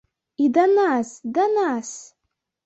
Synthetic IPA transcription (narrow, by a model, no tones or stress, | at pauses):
idanasdanas